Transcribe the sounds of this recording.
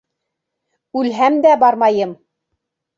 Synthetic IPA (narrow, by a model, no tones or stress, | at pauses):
ʉlɦæmd̪æbɑɾmɑjɤm